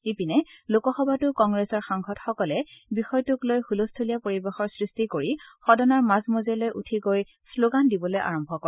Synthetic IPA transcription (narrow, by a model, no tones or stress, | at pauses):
epinɛlokɔxɔbʱatʊkɔŋɡɹesɔɹxaŋxɔtxɔkɔlɛbixɔjtʊklojxulostʰolijapoɹibexɔɹsɹistikoɹixɔdɔnaɹmazmozelojʔutʰiɡoj | sloɡandibɔlojʔa̰ɹɔmbʱɔkɔ